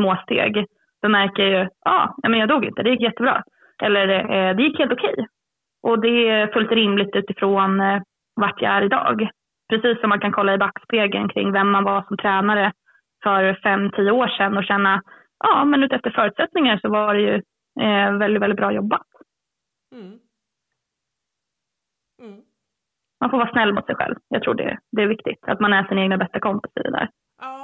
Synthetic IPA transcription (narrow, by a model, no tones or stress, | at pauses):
moːst̪ḛːɡ | d̪̥ɔmæɾkəjajɵʔɑ̰ːjɑ̰ːmɛnjɑːd̪uːɡɪ̰nt̪əd̪ɛjɪkːjɛt̪ːəbɾɑ̰ː | ʔɛlːəɾd̪ɛjɪkːheːlt̪ʊkʰɛ̰j | ʔɔd̪ɛfɵlt̪ɾɪmlɪɡ̚t̪ʉ̟ːt̪ɪfɾoːn | vaʈʰja̰æɾɪd̪ɑ̰ːɡ | pʰɾɛsiːsːɔmːankʰankʰɔlːaɪbakːsp̪eːɡə̰nkʰɾɪ̰ŋːvɛmːanvaʂɔmt̪ʰɾɛːnaɾə | fœɾfɛmːt̪ʰiːəoːʂɛnːɔɕɛnːa | ʔɑːmɛnʉt̪ɛft̪əɾfœːɾʉt̪sɛt̪nɪŋaʂɔvaɖɛjɵ | vɛld̪ɪt̪vɛlɪt̪̚bɾɑːjɔbːat̪ | manfoɾvɑːsnɛlːmʊ̰t̪sɛjɧɛ̰lvjɑ̰ːɡ̚t̪ʰɾṵːɖɛ̰d̪ɛːɾvɪkt̪ɪ̰ɡt̪ʰa̰t̪manæʂɪnaeːɡnabɛst̪akʰɔmpɪsɪ̰d̪ɛ̰d̪æ̰ːɾ